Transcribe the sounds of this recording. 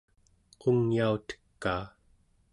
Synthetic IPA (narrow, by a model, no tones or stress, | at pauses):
qʰoŋjaut̪ə̥kːaː